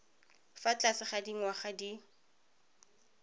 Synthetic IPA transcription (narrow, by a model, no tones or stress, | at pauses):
fat͡ɬasɪχadiŋ̩waχadi